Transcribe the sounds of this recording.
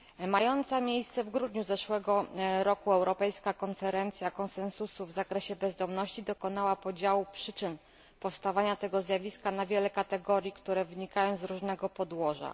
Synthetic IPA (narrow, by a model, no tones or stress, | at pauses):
majɔnt̪samʲjejst̪sɛvɡɾud̪ɲuzɛʂwɛɡɔɾɔkuɛwɾɔpɛjskakɔnfɛɾɛnt̪sʲjakɔnsɛnsusuvzakɾɛɕɛbɛzd̪ɔmnɔɕt͡ɕid̪ɔkɔnawapɔd͡ʑawupʂɘt͡ʂɘn | pɔfst̪avaɲat̪ɛɡɔzʲjavʲiskanavʲjɛlɛkat̪ɛɡɔɾʲjikt̪uɾɛvɘɲikajɔ̃w̃zɾuʐnɛɡɔpɔd̪wɔʐa̰